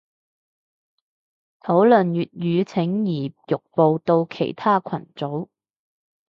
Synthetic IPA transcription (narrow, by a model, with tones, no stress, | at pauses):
t̪ʰo˨˥wlɵ˨˩njyː˨t̚jyː˨˧t͡sʰɪ˨˥ŋjiː˨˩jʊ˨k̚po˨˧wt̪o˧wkʰe˨˩jt̪ʰaː˥kʰɐ˨˩nt͡so˨˥w